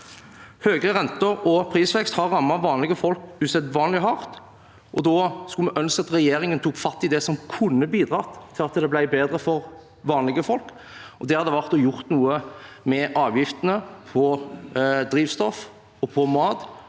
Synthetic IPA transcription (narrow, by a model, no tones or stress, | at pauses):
høːɡɾəʁɛnt̪əɾɔpʰɾiːsʋɛkst̪hɑɾːɑmːɑʋɑːnlɪɡəfɔlkʉːsɛd̪ʋɑːnlɪɦɑʁt̪ | ʔɔd̪oːskʉlmɛʔœnskɑt̪ʁɛjeːɾɪŋənt̪ʰuːkfɑt̪ːɪd̪ɛsɔmkʰʊnːəbiːd̪ʁɑːt̪ʰːɪlɑt̪d̪ɛblæɪbeːd̪ɾəfɔʁ | ʋɑːnlɪɡəfɔlk | ʔɔd̪ɛːhɑd̪ɛʋæʁt̪ɔjʊʁt̪nuːə | mɛʔɑːʋjɪft̪ənəpʰɔ | d̪ɾiːʋst̪ɔf | ɔpʰɔmɑːd̪